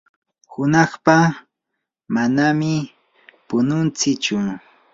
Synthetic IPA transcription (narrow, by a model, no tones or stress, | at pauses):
hʊnɑχpa | manamɪ | pʊnʊnt͡sɪt͡ʃʊ